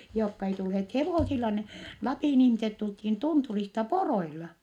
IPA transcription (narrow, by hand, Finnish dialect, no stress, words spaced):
joːkːɑ ei tulheːt heʋoˑsilːɑ ne lɑpiˑn ihmiset tulthin tunturistɑ poroilɑ